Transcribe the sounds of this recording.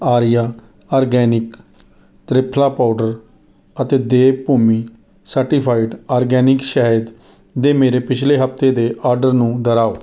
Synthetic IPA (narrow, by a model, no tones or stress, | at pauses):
aːɾɪjaː | aːɾɡɛːnɪk | t̪ɾɪpʰlaːpaːʊɖəɾ | ət̪eːd̪eːpuːmiː | səɾʈiːpʰaːɪʈaːɾɡɛːnɪkʃaːɦəd̪ | d̪eːmeːɾeːpɪt͡ʃʰleːɦəpʰt̪eːd̪eːʔaːɾɖəɾnũːd̪əɾaːoː